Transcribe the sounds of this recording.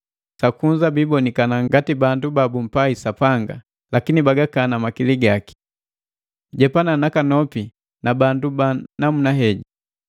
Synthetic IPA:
sakuɲd͡ʒabibɔnikanaŋɡatibandubabum̩paisapaŋɡa̰ | lakinibaɡakanamakiliɡaki̥ | ɟɛpananakanɔpi | nabandubanamunaɦɛɟi

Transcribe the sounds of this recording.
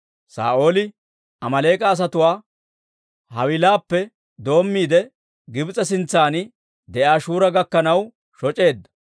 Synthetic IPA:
sa̰ːʔo̞ːlɪ | ɐmɐleːkʼɐːs̬ɐt̪ʊwaː | hɐwɪlaːpːɛ | d̪o̞ːmːiːd̪ɛ | ɡɪbt͡sʼɐs̬ɪnt͡sːaːnɪ | d̪ɛʔaːʃuːɾɐɡɐkːɐnɐw | ʃɔt͡ʃʼe̞ːd̪ːɐ̥

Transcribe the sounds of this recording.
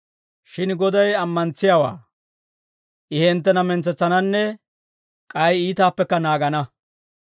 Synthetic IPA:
ʃɪnɡɔd̪ɐjɐmːɐnt͡sːɪjawa̰ː | ʔɪhɛnt̪̬ːɛnɐmɛnt͡sɛt͡sːɐnɐnːɛ | kʼɐjiːt̪aːpːɛkːɐnaːɡɐnɐ

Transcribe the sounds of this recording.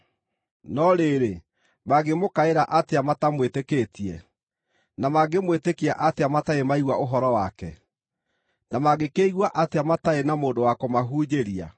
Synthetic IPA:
nɔɾeɾe | maɡemokaeɾaʔateamatamwetekeːtiɛ | namaɡemwetekiaʔateamataemaiɣwaoɦɔɾɔwakɛ̰ | namaɡekeiɣwaʔateamataenamoːndowakɔmaɦuːd͡ʒeɾia̰

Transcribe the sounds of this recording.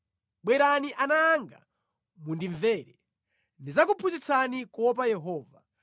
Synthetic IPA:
ɓwɛɾaniʔanaːŋɡa̰ | mundiɱvɛːɾɛ | ndizakupʰuzit͡sʰanikɔp̬ajɛɦɔːva

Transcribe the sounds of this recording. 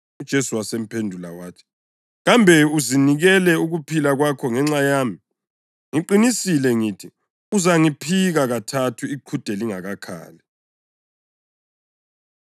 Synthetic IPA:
ud̥ʒ̥ʱesuwasem̩pʰendʱula̰waːtʰɛ̥ | ɣambʱɛuziniɣɛlɛuɣupʰilaɣwakʰɔŋɛŋ͡ǁajaːmi | ŋiǃinisilɛŋiːtʰi | uzaŋipʰiɣaɣatʰatʰuiǃʰud̥ʱɛliŋaɣakʰa̰ːlɛ

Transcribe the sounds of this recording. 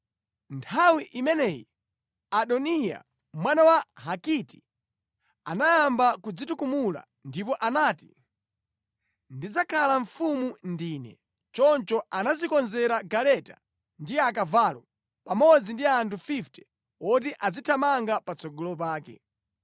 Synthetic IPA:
ntʰawiʔimɛnɛjḭ | aɗɔnija̰ | mwanawaɦakiti̥ | a̰najambakud͡zitukumula̰ | ndip̬ɔʔanaːti | ndid͡zakʰalaɱ̩fumundiːnɛ̰ | t͡ʃɔnt͡ʃɔanazikɔnzɛɾaɡalɛta̰ | ndiakavaːlɔ | pamɔd͡zindiantʰufiftɛ̥ | ɔt̬iʔazitʰamaŋɡapat͡sɔɡɔlɔp̬aːkɛ̰

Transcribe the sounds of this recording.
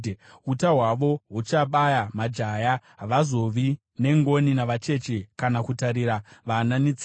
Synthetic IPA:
utaɦwaʋo̞ɦut͡ʃaɓajamad͡ʒajaɦʋazo̞ʋi | ne̞ŋɡo̞ninaʋat͡ʃe̞t͡ʃekanakutaɾiɾaʋananit͡sː

